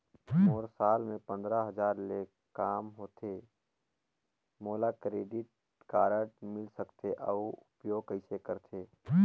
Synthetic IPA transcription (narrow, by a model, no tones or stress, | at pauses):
moːɾsaːlmẽpə̃nd̪ɾaɦɐd͡ʒaːɾleː | kaːmɦoːt̪ʰe | moːlakɾeːɖɪʈ̚ | kaːɾəʈmɪlsəkt̪ʰeʔəuʊpjoːɡkəɪsekəɾt̪ʰeː